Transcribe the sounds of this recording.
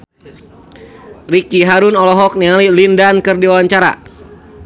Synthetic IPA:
rikiɦaɾʊnɔlɔɦɔk̚nialilindankɨrdiwawaɲt͡ʃaɾa̰

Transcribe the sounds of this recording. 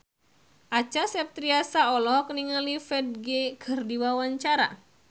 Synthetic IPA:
ʔat͡ʃasɛp̚t̪ɾiasaɔlɔhkəniŋalifɛd̚ɡekʰɨrdiwawaɲt͡ʃaɾa̰

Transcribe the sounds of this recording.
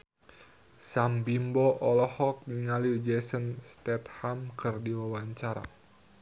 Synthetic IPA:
sambimbɔʔɔlɔhɔk̚niŋalid͡ʒɛsənst̪ɛt̪̚hamkʰɨrdiwawaɲt͡ʃaɾa̰

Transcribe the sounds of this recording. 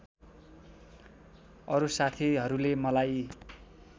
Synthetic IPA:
ʌɾusat̪ʰiɦʌɾulemʌlaj

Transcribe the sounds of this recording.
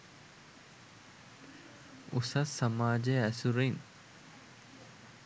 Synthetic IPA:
usɐsːɐmaːd͡ʒejæsuɾin

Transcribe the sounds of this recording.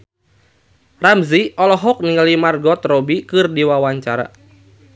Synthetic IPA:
ramziɔlɔɦɔk̚niŋɡalimarɡɔt̪rɔbikɨrdiwawaɲt͡ʃaɾa̰

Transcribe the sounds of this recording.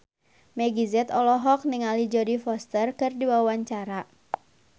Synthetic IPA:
mɛɡizɛt̪ɔlɔɦɔk̚niŋalid͡ʒɔdifɔst̪ərkɨrdiwawaɲt͡ʃaɾa

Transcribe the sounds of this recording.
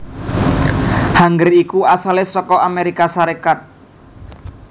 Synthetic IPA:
haŋɡərikuasalɪsɔkɔʔameɾikasaɾekat̪̚

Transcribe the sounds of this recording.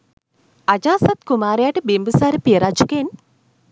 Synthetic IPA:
ɐd͡ʒaːsɐt̪kumaːɾjaːʈibimbusaːɾepiɐɾad͡ʒuken

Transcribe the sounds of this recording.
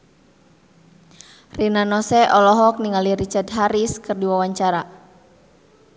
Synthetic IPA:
rinanɔsɛʔɔlɔɦɔk̚niŋaliɾit͡ʃard̪̚ɦaɾiskɨrdiwawaɲt͡ʃaɾa

